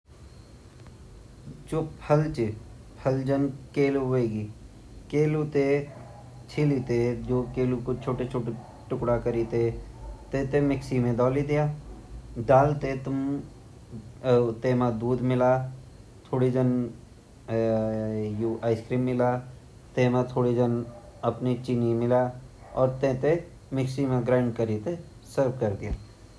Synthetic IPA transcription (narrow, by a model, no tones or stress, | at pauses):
t͡ʃopʰəlt͡ʃɪ | pʰəld͡ʒənkeːluʋeːɡiː | keːlut̪e | t͡ʃʰilit̪ed͡ʒoːkeːlukot͡ʃʰoːʈet͡ʃʰoːʈ | ʈʊkɽakəɾit̪et̪eːt̪emɪksiːmẽd̪ɔːlid̪ɪjaː | ɖaːlt̪et̪ʊm | t̪ẽːmãd̪uːd̪mɪla | t̪ʰoːɽid͡ʒ̪ən | juaːɪskɾiːmːɪla | t̪ẽːmãt̪ʰoːɽid͡ʒ̪ən | ɐpnit͡ʃɪnimɪlaɔːɾt̪ẽːt̪e | mɪksimẽɡɾãːɳɖ̚kəɾit̪e | səɾb̚kəɾk̪ee